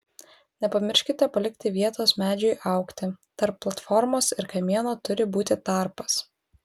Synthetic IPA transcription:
nʲɛpɐmʲɪɾʲʃʲkʲɪt̪ʲɛpɐlʲɪk̚ʲt̪ʲɪʋʲiɛt̪oːsmʲæːd͡ʒʲʊɪʔɐˑʊkt̪ʲɪt̪ɐɾpːlˠɐt̪fɔɾmoːsɪɾkɐmʲiɛnoːt̪ʊɾʲɪbuːt̪ʲɪt̪ɑˑɾpɐs

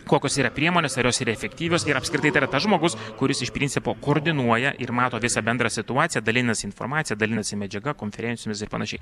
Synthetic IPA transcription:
koːkʲoːsiːɾɐpʲɾʲiɛmoːnʲeːsɐɾjoːsiːɾɐɛfʲɛkt̪ʲiːʋʲoːsɪɾɐpskɾʲɪt̪ɐɪɪɾɐt̪ɐsʒmoːɡʊskʊɾʲɪsɪʃpʲɾʲɪnʲt͡ssʲɪpoːkoːɾʲd̪ʲɪnuɔjɛʔɪɾmɑːt̪oːʋʲɪsɐbʲɛnd̪ɾɐsʲɪt̪ʊɑːt̪sʲɪjɛd̪ɐlʲɪnʲnɐsʲɪnfo̰rmɑːt̪ʲɪjɛd̪ɐlʲɪnɐsʲɪmʲɛd͡ʒʲɛɡɐkoːnʲfʲɛɾʲɛnʲsʲɪjːmʲɪsɪrpɐnɐʃʲɛɪ

